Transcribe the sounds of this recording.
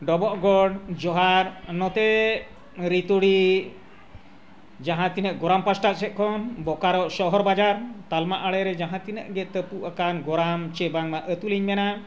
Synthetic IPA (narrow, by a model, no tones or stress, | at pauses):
ɖɔbɔʔɡɔɽd͡ʒɔɦaɾnɔt̪ɛ | ɾit̪uɽi | d͡ʒaɦãt̪inəʔɡɔɾampasʈat̪̚sɛt̪̚kʰɔnbɔkaɾɔʔsɔɦɔɾbad͡ʒaɾt̪almaʔaɽɛɾɛd͡ʒaɦãt̪inəʔɡɛt̪əpuʔakanɡɔɾamt͡ʃɛbaŋmaʔət̪uliɲmɛna